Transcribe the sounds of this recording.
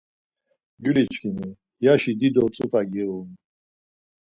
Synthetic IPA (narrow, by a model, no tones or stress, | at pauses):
ɡylit͡ʃʰkʰʼini | jaʃid̪id̪ɔt͡sʼukʼaɡɛum